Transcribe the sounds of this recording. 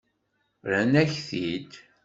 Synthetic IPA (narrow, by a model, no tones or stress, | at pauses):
ɾænæçθid̪